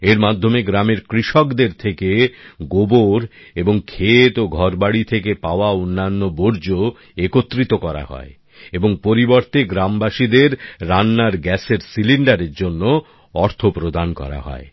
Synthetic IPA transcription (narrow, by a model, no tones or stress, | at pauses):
eɾmad̪ʱːomeɡɾameɾkɾiʃɔkd̪eɾt̪ʰekeɡoboɾ | eboŋkʰet̪oɡʱɔɾbaɽit̪ʰekepaoaonːanːoboɾd͡ʑo | ekot̪ːɾit̪okɔɾa̰hɔ̰e | eboŋpoɾiboɾt̪eɡɾambaʃid̪eɾːanːaɾɡɛseɾsiliɳɖaɾeɾd͡ʑonːo | ɔɾt̪ʰopɾod̪ankɔ̰ɾa̰ɦɔ̰e